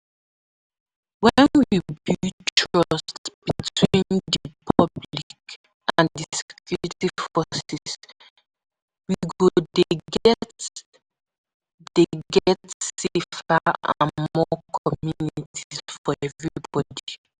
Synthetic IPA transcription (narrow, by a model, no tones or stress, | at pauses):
wɛ̃nwibitʰɹɔstsb̥itwĩndipʰɔblik | ãndiskʰjuɹitiv̥fɔsis | wiɡodeɡɛt | d̥eɡɛtsefaaã̰nmmɔkʰɔmjunitʰisfɔɛvɹibɔdi